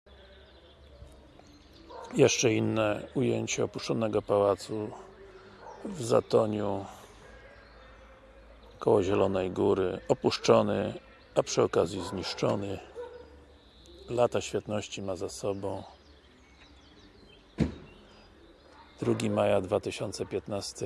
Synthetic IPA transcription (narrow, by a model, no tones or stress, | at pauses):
jɛʂt͡ʂɛinːɛujeɲt͡ɕɛɔpuʂt͡ʂɔnɛɡɔpawat̪su | vza̰t̪ɔɲu | kɔwɔʑɛlɔnɛjɡuɾɘɔpuʂt͡ʂɔnɘ | apʂɘɔkazʲjizɲiʂt͡ʂɔnɘ | lat̪aɕfʲjɛt̪nɔɕt͡ɕimazasɔbɔ̃w̃ | d̪̥ɾuɡʲimajad̪vat̪ɘɕɔnt̪sɛpʲjɛt̪nast̪ɘ